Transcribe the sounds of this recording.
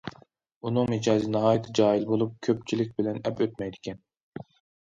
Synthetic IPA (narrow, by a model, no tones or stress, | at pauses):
unɨŋmed͡ʒɑːzinɨɦɑːjt̪ʰɪd͡ʒɑːilˠbolˠup̚kʲʰøp̚t͡ʃʰilɪk̚ʲbɪlɛnɛpøt̪mɛjd̪ɪkʲʰɛn